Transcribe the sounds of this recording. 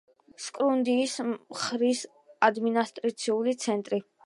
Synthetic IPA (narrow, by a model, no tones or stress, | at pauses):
skʼɾund̪iːsχɾis | ad̪minast̪ʼɾit̪sʰiulit̪sʰɛnt̪ʼɾi